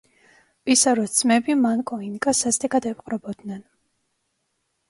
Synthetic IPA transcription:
pʼisaɾɔsmɛbimankʼɔinkʼasast̪ʼɛɡad̪aɛpqʼɾɔbɔd̪nɛn

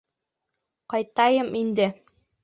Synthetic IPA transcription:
qɑjt̪ɑjɤmind̪ɘ

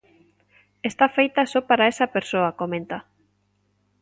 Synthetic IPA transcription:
est̪afejt̪ɐsɔpaɾaesɐpeɾsoɐkomẽnt̪a

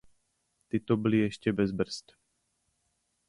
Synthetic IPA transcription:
t̪it̪ɔbiliɛʃcɛbɛzbr̩st̪

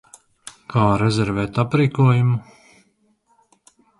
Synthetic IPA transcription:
kʰaːɾɛzʲɛɾvɛt̪apɾiːkuɔjumu

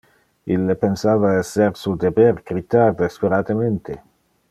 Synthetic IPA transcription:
ilːepensaːvaɛsːeɾsud̪ebɛrɡɾit̪ard̪espeɾat̪əment̪ʰe

